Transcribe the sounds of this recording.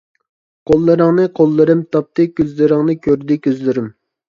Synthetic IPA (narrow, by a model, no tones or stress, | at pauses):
qʰolˠːɨɾɨŋnɨqʰolˠːɨɾɨmt̪ʰɑp̚t̪ɨkʲøzlɪɾɨŋnɨkʲʰøɾd̪ɪkʲøzlɪɾym